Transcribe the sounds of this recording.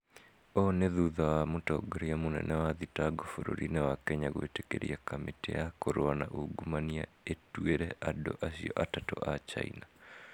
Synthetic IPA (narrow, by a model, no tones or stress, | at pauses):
ɔneðuðawamotɔɡoɾiamonɛ̰nʔɛwaðitaɡofoɾo̰ɾinɛwakɛɲaɣwḛtekḛɾḭakametḛakoɾoana̰ʔoɡumania̰ | etweɾɛʔado̰ʔasiɔʔatatɔ̰ʔat͡ʃa̰ḭna